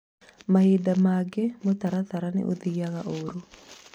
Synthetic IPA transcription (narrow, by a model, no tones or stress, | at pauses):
mahidamaɡemot̪aɾat̪aɾanḛʔoðiaɣaʔoɾu